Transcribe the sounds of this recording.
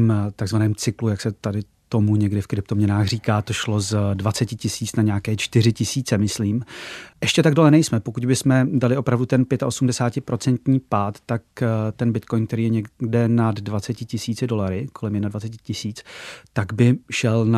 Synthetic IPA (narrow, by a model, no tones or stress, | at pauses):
mt̪aɡzvanɛːmt͡sɪklujaksɛt̪adɪ | t̪o̞muɲɛɡdɪfkɾɪp̚t̪o̞mɲɛnaːxr̝iːkaːt̪o̞ʃlo̞zdvat͡sɛcɪcɪsiːt͡snaɲɛakɛːt͡ʃt̪ɪr̝ɪcɪsiːt͡sɛmɪsliːmʔɛʃcɛt̪aɡdo̞lɛnɛjsmɛpokuɟbɪsmɛdalɪʔo̞pɾavdut̪ɛnpjɛt̪aʔo̞sumdɛsaːcɪpɾʔo̞t͡sɛnt̪ɲiːpaːt̪ːakt̪ɛnbɪt̪ko̞jnk̚t̪ɛɾiːjɛɲɛdɛnadːvat͡sɛcɪcɪsiːt͡sɪdo̞laɾɪko̞lɛmjɛdnadvat͡sɛcɪcɪsiːt͡st̪aɡbɪʃɛlna